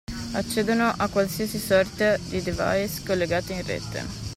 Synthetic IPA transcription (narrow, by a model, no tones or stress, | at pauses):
at͡ʃːɛːd̪onoʔakːwalsiasisɔrt̪ad̪id̪eva̰jskolːeɡaːt̪einrɛ̰ːt̪ḛ